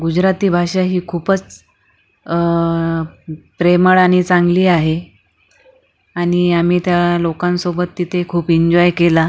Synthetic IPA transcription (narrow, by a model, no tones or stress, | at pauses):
ɡud͡ʑɾat̪iːbʱaʂaɦiːkʰuːpət͡s | pɾeməɭañit͡saŋɡliːaɦe | aɽ̃iam̤iːt̪jalokãnsobət̪ːit̪ʰekʰuːpiɲd͡ʑɔjkela